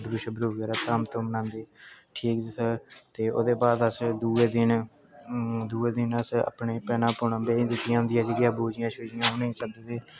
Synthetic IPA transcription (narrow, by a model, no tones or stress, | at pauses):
bɾuːʃəbɾuːɡɛːɾaːt̪əmt̪õːmənãːnd̪eːʈʰiːkːsət̪eːʔo̰ːd̪eːbaːd̪əsd̪uːeːd̪ɪn | d̪uːeːd̪ɪnəsa̰ːpneːpɛːnãːpʊɳãːbẽːd̪ekɪjãːnd̪ijãːd͡ʒəɡɪjãːboːd͡ʒɪjãːʃoːd͡ʒɪjãːɦoneiːsəkd̪eːt̪eː